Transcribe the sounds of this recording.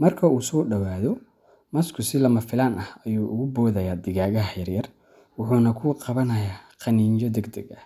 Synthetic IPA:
mɐrkʰɐuːsɔːɖɐwaːðɔ | mɐskʰʊsɪlɐmɐfɪlaːnɐhɐjuːʔʊɣʊbɔːðɐjaːd̪ɪɣaːɣɐɦɦɛjrjɐr | wʊħuːnɐkʰʊːqɑβɐnɐjaːqɑniːnt͡ʃɔd̪ɛɡd̪ɐɡɐ

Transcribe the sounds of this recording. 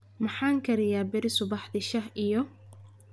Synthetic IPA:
mɑħaːŋkʰɐɾɪjaːbɪɾɪsʊβɑħdɪʃɐhʔijɔ

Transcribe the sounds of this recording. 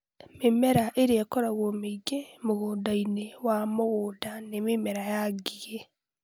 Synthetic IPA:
memɛɾaʔeɾeakɔɾaɣomeiɡemoɣoːndainewamoɣoːdanememɛɾajaɡiɣe

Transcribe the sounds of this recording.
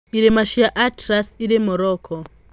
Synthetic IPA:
iɾɛmaʃiaʔatɾasiɾɛmɔɾɔːkʰɔ

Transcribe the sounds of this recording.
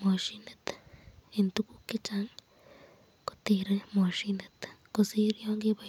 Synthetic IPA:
moʃinet̪ent̪ukukit͡ʃaŋ | ko̥t̪iɾemoʃinet̪kosiɾjoːŋɡiβa

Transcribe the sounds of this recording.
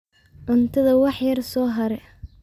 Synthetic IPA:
ʕʊnt̪ʰɐðɐwɑħjɐrsɔːɦɐɾɛ

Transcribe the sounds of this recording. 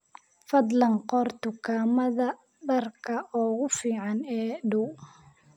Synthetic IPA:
fɐd̪lɐŋqɔrt̪ʊkʰaːmɐðɐ | dɐrkʰɐʔɔːɣʊfiːʕɑnɛːɖʊw

